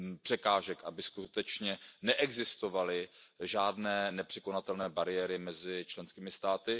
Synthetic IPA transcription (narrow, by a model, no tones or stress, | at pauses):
pr̝̥ɛkaːʒɛkʔabɪskut̪ɛt͡ʃɲɛnɛʔɛɡzɪst̪o̞valɪʒaːdnɛːnɛpr̥ɛkonat̪ɛlnɛːbaɾɪjɛɾɪmɛzɪt͡ʃlɛnskiːmɪst̪aːt̪ɪ